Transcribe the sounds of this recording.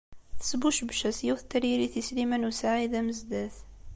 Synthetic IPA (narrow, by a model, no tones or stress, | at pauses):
θə̥sbuʃbʃæsjiwθt̪ːəɾjiɾiθislimænusaʕiðæməzd̪æθ